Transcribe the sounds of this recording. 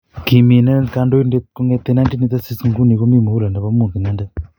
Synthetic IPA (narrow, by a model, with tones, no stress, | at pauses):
ki˨mi˨na˦nka˧ndo˦jnde˦t̪̚ko˦ŋe˧t̪ːe˦na˦ndi˦ni˧t̪a˦si˦sŋɡu˦ni˨ko˦mi˦˨mo˨u˦la˨nda˨pa˦mu˨t̪i˨na˦ndɛ˦